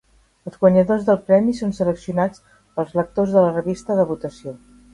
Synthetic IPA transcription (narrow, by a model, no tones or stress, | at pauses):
əlˠzɣwəɲəðozðəlˠpɾɛmisonsələksiunat͡s | pəlˠzlək̚t̪ozðələrəβist̪əðəβut̪əsio